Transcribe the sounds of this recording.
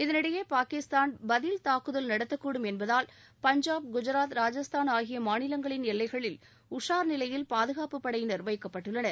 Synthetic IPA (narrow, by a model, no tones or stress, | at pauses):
ɪðɐnɪɽɐjeːpaːkɪst̪aːnbɐðɪlt̪aːkɯðɐlnɐɽɐt̪ːɐkːuːɽɯmɛnbɐðaːl | pɐɲd͡ʒaːbɡʊd͡ʒɐɾaːt̪ɾaːd͡ʒɐst̪ʰaːnaːɣɪjɐmaːnɪlɐŋɡɐɭɪnɛlːɐɪɣɐɭɪl | ʊʂaːɾnɪlɐjɪlpaːðɯɣaːpɯpːɐɽɐjɪnɪɾʋɐɪkːɐpːɐʈːɯɭːɐnɐɾ